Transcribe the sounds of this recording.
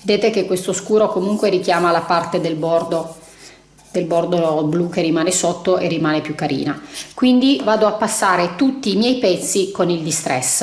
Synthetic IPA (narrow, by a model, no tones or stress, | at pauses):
ved̪eːt̪ekekːwest̪oskuːɾokomuŋkweɾik̟jaːmalapart̪ed̪elbord̪o | d̪̥elbord̪obluk̟erːimaːnesot̪ːoʔerːimaːnepjukːaɾḭːnakwind̪ivaːd̪oapːasːaːɾet̪ut̪ːiːmjɛjpɛt̪sːikonild̪ist̪ɾɛ̰s